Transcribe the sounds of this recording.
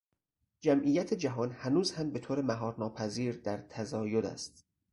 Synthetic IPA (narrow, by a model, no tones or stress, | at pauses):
d͡ʒæmʔiːjæt̪ʰed͡ʒæɦɒːnhænuːzhæmbe̞t̪ʰoːɾemæɦɒːɾnɒːpʰæziːɾd̪æɾt̪ʰæzɒːjod̪æ̰st̪